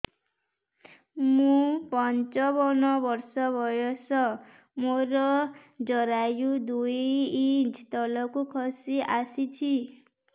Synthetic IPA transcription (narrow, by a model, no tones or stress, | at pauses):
mũpɔnt͡ʃɔbɔnɔbɔɾsɔbʱɔjɔsɔ | moɾɔd͡ʒɔɾajud̪ujjit͡ʃt̪ɔlɔkukʰɔsiʔasit͡ʃʰi